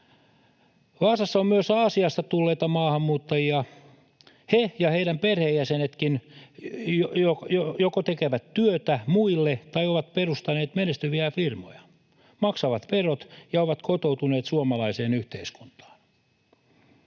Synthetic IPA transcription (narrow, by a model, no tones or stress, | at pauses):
ʋɑːsɑsːɑommyøsɑːsiɑst̪ɑt̪ulːeːt̪ɑmɑːhɑmːuːt̪ːɑjiɑ | hejɑheidæmperhejjæsenet̪kin | jojojokot̪ekeʋæt̪tyøt̪æmuilːet̪ɑioʋɑt̪̚perust̪ɑneːt̪menest̪yʋiæfirmo̰jɑ̥ | mɑksɑʋɑt̪perot̪jɑoʋɑt̪kʰot̪out̪uneːt̪suomɑlɑiseːnyht̪eisku̥nt̪ɑ̥ːn